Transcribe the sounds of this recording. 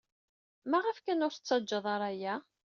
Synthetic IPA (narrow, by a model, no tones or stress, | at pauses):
mæʁəfkænʊɾθə̥t͡sːɑd͡ʒːɑðˤɑɾˤæjæ